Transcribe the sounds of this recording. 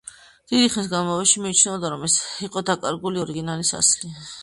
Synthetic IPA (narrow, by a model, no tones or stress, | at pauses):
d̪̥id̪iχnis̬ɡanmɔvɛʃimit͡ʃʰnɛɔd̪aɾɔmɛsiqʼɔd̪akʼaɾɡuliɔɾiɡinalisa̰sli